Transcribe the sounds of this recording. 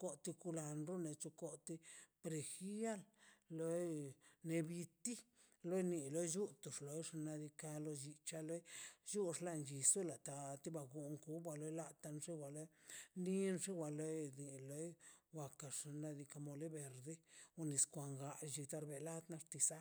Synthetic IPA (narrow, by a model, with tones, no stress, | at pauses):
ko˦t̪i˧ku˧la˧nɾu˦ne˧t͡ʃu˧ko˦t̪i˦pɾe˨xi˦a˦llo˦jne˧bi˧t̪i˦ | lo˦jni˧lo˦jd͡ʒu˦t̪u˨ʂlo˧jʂa˧na˧d̪i˧ka˧lo˧d͡ʒi˧t͡ʃa˧lo˦jju˦ʂla˧nd͡ʒi˨su˦la˨t̪a˧t̪i˦ba˧ɡu˧˨ŋku˦bwa˧lo˧˦jla˧t̪a˧nʐi˦wʷa˨lo˦jndi˦nʂi˦wa˨lo˧˦jd̪i˨lo˧˦jwa˨ka˨ʂa˧na˧d̪i˧ka˧mo˧li˦be˨ɾd̪e˦u˧ni˨skʷa˨ŋɡa˧d͡ʒi˧t̪a˧ɾbe˧˨la˦d̪na˧ʂt̪i˧sa˦